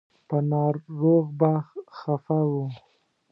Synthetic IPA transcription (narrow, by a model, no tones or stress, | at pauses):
pənɑɾːoɣbaxxafawu